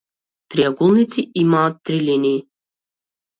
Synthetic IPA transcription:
t̪ɾiaɡulˠnit̪siʔimaːt̪ːɾilʲinʲiː

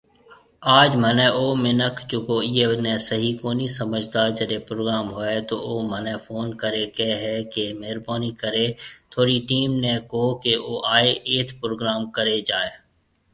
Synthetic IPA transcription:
aːd͡ʒmənɛ̃ʔoːmɪnəkʰd͡ʒoːkoːiːenẽsəɦikoːnisəməd͡ʒʱt̪ad͡ʒədepɾoːɡɾaːmɦoːet̪oːoːmənɛ̃foːnkəɾekeɦɛkemeːɾbaːnikəɾet̪ʰoːɽiʈiːmnẽkoːkeoːʔaːeʔeːt̪ʰpɾoːɡɾaːmkəɾed͡ʒaːeː

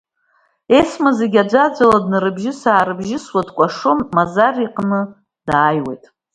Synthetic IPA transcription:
e̞smazeɡʲad͡ʒʷad͡zʷaladnɨɾɨbʒɪsaːɾɨbʒɪswadʰkʷʼaʂomːazariqʼnɨ | d̥aːjwe̞̰jtʼ

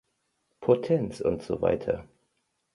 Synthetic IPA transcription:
pʰotʰɛnsʊ̰ntz̥o̰ːva̰ɪtʰɐ

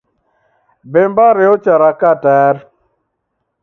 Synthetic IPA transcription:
bembaɾɪɔt͡ʃaɾakatɛːɾ

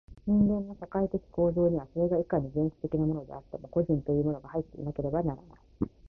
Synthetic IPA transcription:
ɲ̟ĩŋɡẽ̞nːo̞ɕakait̪e̞kʲi̥ko̞ːzo̞ːɲ̟iβaso̞ɾe̞ɡaikaɲ̟ːizẽ̞ɰ̃ɕi̥t̪e̞kʲinamo̞no̞d̪e̞̰at̪ːe̞mo̞ko̞ʑĩnt̪o̞jɯ̟ːmo̞noɡahait̪ːe̞ḭnake̞ɾe̞banaɾanai̥

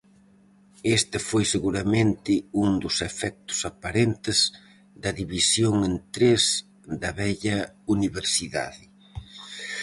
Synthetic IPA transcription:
est̪ɪfojseɣuɾɐmẽnt̪ɪuŋd̪ʊsefɛk̚t̪ʊ̥sapaɾent̪ɪz̥ | d̪ɐðiβisjoŋẽnt̪ɾez | ðɐβɛʎɐuniβeɾsiða̰ðɪ

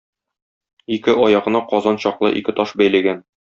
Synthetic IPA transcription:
ikɘʔɒjɑʁɤ̆nɑqɒzɑnɕɒqlˠɤ̰ʔikɘt̪ɒʃbæjlæɡæn

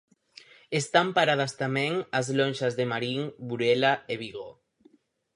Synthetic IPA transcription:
est̪ampaɾað̞ast̪amẽŋazlonʲʃazðemaɾiŋbuɾelaeβ̞iɣo

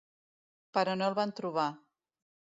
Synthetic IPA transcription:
pəɾɔnolˠβant̪ɾuβ̞a

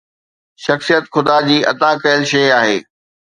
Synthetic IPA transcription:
ʃɐxsijət̪xʊd̪ad͡ʑiːʔɐ̰t̪akɐjəlʃɐjaːɦeː

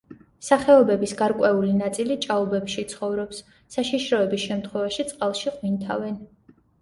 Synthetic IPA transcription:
saχɛɔbɛbisɡaɾkʼwɛulinat̪sʼilit͡ʃʼaɔbɛpʃit̪sʰχɔvɾɔpsː | aʃiʃɾɔɛbisʃɛmt̪χwɛvaʃit̪sʼqʼalˠʃiqʼwint̪ʰa̰vɛn

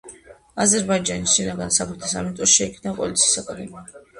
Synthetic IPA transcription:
azɛɾbaid͡ʒanisʃinaɡansapʰɾɛt̪ʰasamint̪ʼɔsʃɛikʰnapʼɔ̰lit̪sʰi̥ːsakʼad̪ɛmia

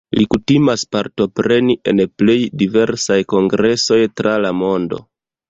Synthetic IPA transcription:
likutimaspaɾto̞pɾe̞niʔe̞nple̞jdive̞ɾsajko̞ŋɡɾe̞so̞jtɾalamo̞ndo̞̰

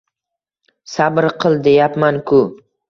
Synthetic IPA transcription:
sabɾqʰɨlˠd̪e̞japmankʰʊ

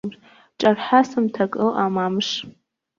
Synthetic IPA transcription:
ʈ͡ʂʼɐrħasɨmtʰɐkʼɨlʔamamʂ

